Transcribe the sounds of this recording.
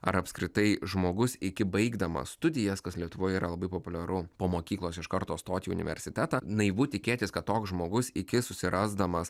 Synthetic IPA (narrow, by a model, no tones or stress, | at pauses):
ɐ̰ɾɐpskɾʲɪt̪ɐɪʒmoːɡʊsɪkʲɪbɐɪɡd̪ɐmɐ̰sst̪ʊd̪ʲɪjɛskɐslʲiɛt̪ʊʋoːjiːɾɐlˠɐbɐɪpoːpʊlʲɛɾʊpoːmoːkʲiːklˠoːsɪʃkɐɾt̪oːst̪oːt̪ʲɪʊ̰nʲɪ̰ʋʲɛ̰ɾʲsʲɪt̪ʲæːt̪ɑnɐɪʋuːt̪ʲɪkʲeːt̪ʲɪskɐt̪t̪oːksʒmoːɡʊsɪkʲɪsʊsʲɪɾʔɐzd̪ɐmɐs